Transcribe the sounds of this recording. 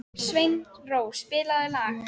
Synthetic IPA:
svejnroːwspɪːlaðʏlax

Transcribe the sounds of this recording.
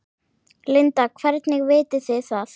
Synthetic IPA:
lɪnt̪akʰvɛɾt̪nɪɣvɪːt̪ɪθɪθaθ

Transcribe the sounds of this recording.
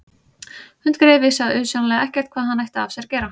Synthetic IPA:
hʏnt̪kɾɛːvɪsaðʏːsjɔnalɛɣɛhcɛr̥t̪̚kʰvaːðɦanːajht̪afsjɛɾcɛːɾa

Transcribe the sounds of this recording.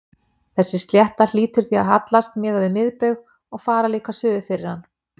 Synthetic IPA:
θɛsːɪst̪ljɛht̪al̥iːt̪ʏɾ̥θiaðɦat̪last̪̚mɪːðavɪmɪðpʏɥɣ | ɔɣfaːɾaliːkasœːðʏfɪɾɪɾ̥han

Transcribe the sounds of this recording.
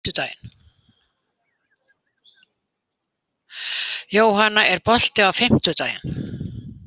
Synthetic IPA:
t̪ʏt̪aːjɪ̰n | joːwɦanːaʔɛɾpɔl̥t̪ɪawfɪm̥t̪ʏt̪aːjɪ̰n

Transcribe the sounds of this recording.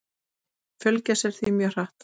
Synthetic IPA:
fœlcasɛɾ̥θimjœr̥aht̪

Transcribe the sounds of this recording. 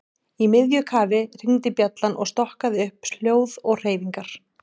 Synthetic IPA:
imɪðjʏkʰaːvɪr̥iŋt̪ɪpjat̪lanʔɔ̰ɣst̪ɔhkaðɪʏhpsl̥joːwðɔɣr̥eːjviŋkaɾ̥

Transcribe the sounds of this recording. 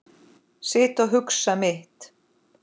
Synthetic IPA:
sɪːht̪ɔɣɦʏksamɪht̪

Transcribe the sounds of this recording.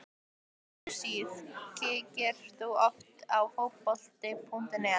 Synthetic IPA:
siðcɪcɪɾ̥θuɔft̪awfowpɔl̥t̪ɪpʰun̥t̪ɪnɛ

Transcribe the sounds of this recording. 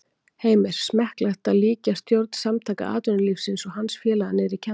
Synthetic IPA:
heːjmɪɾ̥smɛhklaht̪aliːcast̪jowɾt̪n̥samt̪ʰaːjka̰a̰ːt̪ʏnlifsɪnsɔɣɦansfjɛːlaanɛɾicʰɛ

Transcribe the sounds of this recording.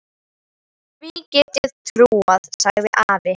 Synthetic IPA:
vicɛt̪ɪðt̪ʰɾuːaðsaɣðɪʔaːɾɪ

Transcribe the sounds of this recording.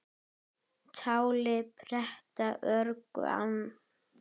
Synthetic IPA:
t͡ɕʰaːwlɪpʰɾɛht̪aʔœɾkʏ̰a̰n

